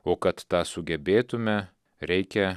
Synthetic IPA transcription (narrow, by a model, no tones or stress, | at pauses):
oːkɐt̪t̪ɑːsʊɡʲɛbʲeːt̪ʊmʲɛ | ɾʲɛɪkʲɛ